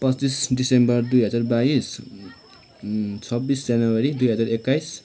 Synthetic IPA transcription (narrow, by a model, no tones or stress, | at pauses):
pʌtt͡sisɖisembʌrd̪ujɦʌd͡zarbais | t͡sʰʌbisd͡zjanʌwʌɾid̪ujɦʌd͡zaɾekːajs